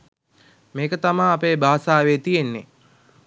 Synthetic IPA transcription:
meːkət̪amaːapeːbaːsaːʋeːt̪ijenːe

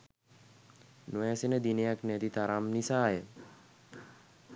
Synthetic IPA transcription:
nojasinəd̪inejaknɛt̪it̪aɾamnisaːjə

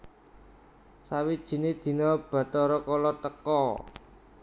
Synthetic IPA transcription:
sawid̥ʒ̥i̤ned̪̥i̤nɔb̥ä̤t̪ɔɾɔkɔlɔt̪əkɔ

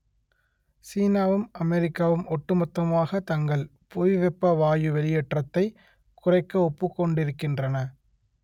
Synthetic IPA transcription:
siːnaːʋɯmʔɐmɛɾɪkːaːʋɯmɔʈːɯmɐt̪ːɐmaːɣɐt̪ɐŋɡɐɭ | pʊʋɛpːɐʋaːjɯʋɛlɪjɛʈrɐt̪ːɐɪ | kʊrɐɪkːɐɔpːɯkːɔɳɖɪɾɯkːɪndrɐnɐ

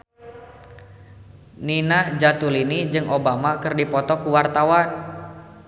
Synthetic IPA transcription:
ninahd͡ʒat̪ulinid͡ʒɨŋobamakɨrdipɔt̪ɔkuwart̪awan

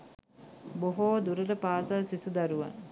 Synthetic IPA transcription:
boɦoːd̪uɾələpaːsaːsisud̪aɾuʋa̰n

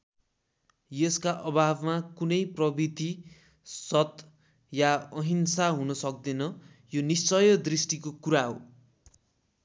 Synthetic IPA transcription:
jʌskaʔʌbʱabmakunʌjprʌbit̪i | sʌt̪ | jaʌɦinsaɦunʌsʌk̚d̪enʌ | jonist͡sʌjʌd̪risʈikokuɾaɦo̰

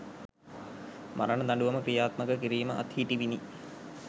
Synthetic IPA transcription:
maɾɐnəd̪ɐɳɖuʋɐməkɾijaːt̪məkəkiɾiːməʔa̰t̪hiːʈiʋini

